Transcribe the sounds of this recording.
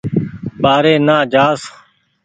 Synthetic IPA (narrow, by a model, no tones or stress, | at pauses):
ɓaːɾeːnaːd͡ʒaːs